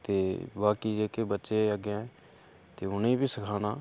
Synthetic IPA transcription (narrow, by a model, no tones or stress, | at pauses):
t̪eːbaːkiːd͡ʒeːkebətːʃeːəɡɛ̃ː | t̪eːʊnẽːbʱiːsəkʰaːnaː